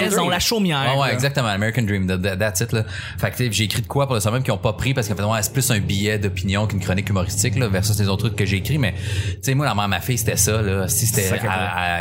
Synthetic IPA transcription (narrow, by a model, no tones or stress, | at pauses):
ɛzɔ̃laʃomjɛwɛwɛɛɡzak̚t̪əmɑ̃ameʁikə̃nd̪ɹĩmd̪d̪d̪at̪sɪt̪lʌ | fakt̪seʒeːkʁid̪əkwapuʁləswãmɛ̃mkʲjɔ̃pʌpʁipaʁskɑ̃fɛt̪wɛ̃sɛ̥plʏsɛ̃bijɛd̪ɔpinjɔ̃kynkχɔnɪkymɔʁist̪t͡sɪklʌvɛʁsɔslezoʊt̪ʰːʁɪkkːəʒeːkʁimɛt͡semwalamɛ̃mafɪjse̥t̪ɛsʌlɔsise̥t̪ɛsaa